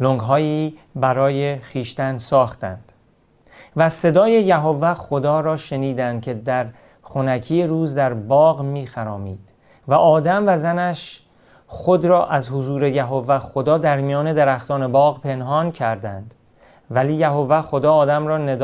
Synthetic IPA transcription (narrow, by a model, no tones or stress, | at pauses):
loŋɡɦɒːiː | bæɾɒːjexiːʃt̪ænsɒːxt̪æ̰nd̪̥ | væse̞d̪ɒːje̞jæɦovːæχo̞d̪ɒːɾɒːʃe̞niːd̪ænd̪̚kʰe̞d̪æɾ | χonækʰijeɾuːzd̪æɾbɒːɣmiːxæɾɒːmiːd̪̥ | væʔɒːd̪æmvæzænæʃ | χod̪ɾɒːʔæzhozuːɾe̞jæɦovːæxod̪ɒːd̪æɾmijɒːne̞d̪eɾæxt̪ɒːne̞bɒːɣpʰe̞nɦɒːncʰæɾd̪ænd̪ | væliːjæɦovːæxo̞d̪ɒːd̪æmɾɒːne̞d̪